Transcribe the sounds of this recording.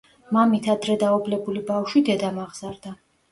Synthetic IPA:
mamit̪ʰad̪ɾɛd̪aublɛbulibafʃid̪ɛd̪amaʁz̥aɾd̪a

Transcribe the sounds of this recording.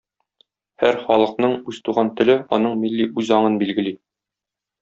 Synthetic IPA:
hæɾχɒlˠɤ̆qnɤɴʉzt̪uʁɑnt̪ɘ̆lɘɒnɤɴmilːiʔʉzɒɴɤnbilɡɘ̆li

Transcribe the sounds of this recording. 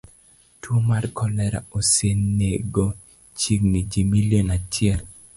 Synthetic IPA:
twomarkɔlɛɾa̰osenːeɡo | t͡ʃiɡnid͡ʒimiljonat͡ʃɪɛl

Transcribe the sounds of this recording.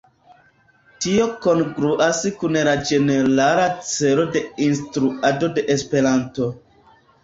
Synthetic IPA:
tio̞ko̞nɡɾuʔaskunlad͡ʒe̞ne̞ɾalat͡se̞lo̞de̞instɾuado̞de̞ʔespe̞ɾanto̞

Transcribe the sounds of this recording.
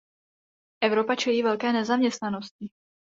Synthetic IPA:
ʔɛvɾo̞pat͡ʃɛjiːvɛlkɛːnɛzamɲɛst̪nano̞scɪ

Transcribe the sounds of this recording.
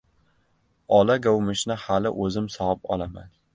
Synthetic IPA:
ɒlaɡawmɪʃnɪhalɪ̰ʔɵzɪmsɒɨpɒ̰lama̰n

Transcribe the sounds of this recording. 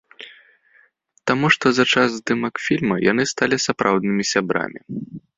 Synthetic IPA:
t̪amuʂt̪ɔzɐt͡ʂazd̪ɨmɐkfʲilʲmɐja̰nɨst̪alʲisapɾawd̪̚nɨmʲisʲabɾa̰mʲi

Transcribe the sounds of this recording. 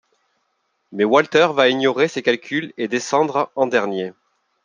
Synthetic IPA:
mɛwalt̪ɛʁvaiɲjɔʁesekalkʲʰyled̪esɑ̃d̪ʁɑ̃d̪ɛʁnje

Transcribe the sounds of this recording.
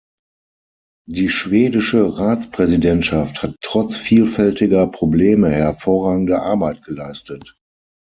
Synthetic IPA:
diːʃv̥eːdɪʃəʁaːt͡spʁ̥ɛzidɛntʃafthatːʁ̥ɔt͡sfiːlfɛltɪɡɐpʁ̥obleːməhɛɐfoːʁaːɡŋ̩dəʔa̰ɐbaɪt̚ɡ̥əlaɪstət

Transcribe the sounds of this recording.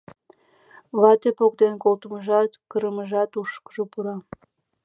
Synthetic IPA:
βɑt̪epok̚d̪enkolt̪əməʒɑt̪kəɾəməʒɑt̪uʃkə̥ʒopuɾɑ

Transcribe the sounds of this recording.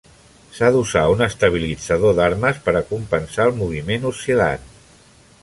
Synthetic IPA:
saðuzaunəst̪əβ̞ilid͡zəðoðaɾməspəɾəkumpənsaəlˠmuβ̞imenusila̰n

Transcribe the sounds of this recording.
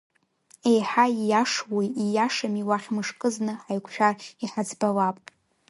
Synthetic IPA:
ejħajaʂwiijaʂamiwaχʲmɨʂkʼɨznɨħajkʷʰʃᶣariħad͡zbalapʼ

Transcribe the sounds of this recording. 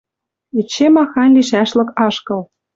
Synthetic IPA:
it͡ɕːemɑxɑnʲliʃæʃlɤ̆kɑʃkɤ̆l

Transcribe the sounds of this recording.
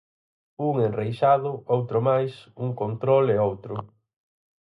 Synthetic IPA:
uŋenrejʃaðʊowt̪ɾʊmajsuŋkont̪ɾoleowt̪ɾʊ

